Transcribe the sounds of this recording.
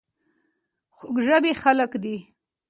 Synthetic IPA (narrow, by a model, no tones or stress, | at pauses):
xʊɡʒəbexaləkd̪i